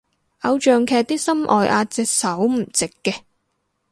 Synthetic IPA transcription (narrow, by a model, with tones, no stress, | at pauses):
ʔɐ˧wt͡ʃœː˨ŋkʰɛː˧k̚t̪iː˥sɐ˥mʔɔ̰ː˨jʔaː˧t͡sɛ˧k̚sɐ˨˥wm̩˨˩t͡sɪ˨kːɛː˧